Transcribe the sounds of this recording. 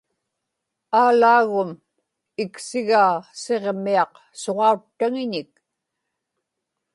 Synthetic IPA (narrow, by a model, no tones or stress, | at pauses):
aːlaːɣʊm | ɪksɪɣaːse̞ʁmiɑq | so̞ʁɑut̪ːaŋɪɲɪk̚